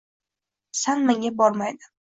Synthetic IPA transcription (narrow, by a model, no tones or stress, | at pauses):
sanmaŋʲabɒɾmajd̪ɪ